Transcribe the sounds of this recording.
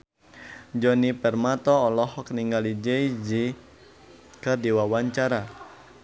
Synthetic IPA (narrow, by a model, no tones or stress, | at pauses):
d͡ʒɔnipɛrmat̪ɔːlɔhɔkəniŋɡalid͡ʒeid͡ʒi | kərdiwawaɲt͡ʃaɾa